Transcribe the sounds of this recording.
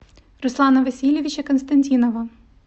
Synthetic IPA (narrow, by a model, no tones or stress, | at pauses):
ɾuslˠɑnɐʋesʲilʲiʋʲit͡ʃɐkɔnst̪ɐnʲtʲinɔʋɐ